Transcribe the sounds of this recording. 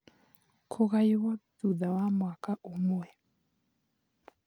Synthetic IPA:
kʰɔɣajiwaduðawamwakaʔumuwɛ

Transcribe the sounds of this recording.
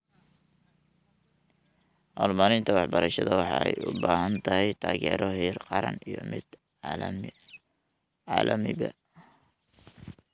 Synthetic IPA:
ʔɔlmalɪnt̪ʰɐwɑħbɐɾɐʃɐðɐwɑħɑ̰ɛ̰jʊbaːɦɐnt̪ʰɐɦɛjt̪ʰaːɣɛːɾɔɦiːrqɑɾɐ̰nijɔmɪd̪̥ | m | ʕɑ̰ːlʔɐmɪbɐ̰

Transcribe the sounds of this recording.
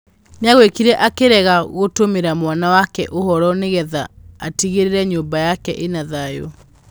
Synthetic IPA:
neaɣwekiɾɛʔakeɾɛɣaɣotomeɾamwanawakɛ̰ʔohɔɾɔneɣɛðaatiɣeɾeɾɛɲoːmbajakɛʔenaðajo

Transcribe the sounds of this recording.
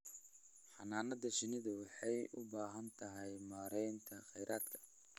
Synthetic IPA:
ħɑnaːnɐðɐʃɪnɪðɐwɑħɑjʔʊbaːɦɐnt̪ʰɐɦɛjmaːɾɛjnt̪ʰɐχɛjɾʔaːd̪kʰɐ̥

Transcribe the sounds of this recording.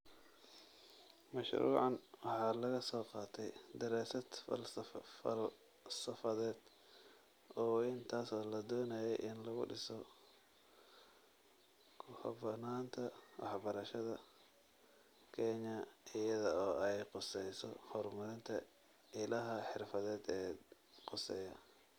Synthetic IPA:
mɐʃɾṵːʕɑnwɑħɑːlɐɣɐsɔːqɑːt̪ʰɛjd̪ɐɾɛːsɐd̪ | fɐ̰l | sɐfɐðɛːd̪̥ | ɔːɪnt̪ʰaːsɔːlɐd̪ɔːnɐjɛjʔɪnlɐɣʊ̰ɖɪsɔ | kʰhbɐnaːnt̪ʰɐwʔɑ̰ħbɐɾɐʃɐðɐ | kʰɛɲɐɪjɐðɐɔːɛjqʊsɛjsɔ̰hɔrmɐɾɪnt̪ʰɐ | ɪlɐɦɐħɪrfɐðɛːd̪ɛː | qʊsɛjɐ

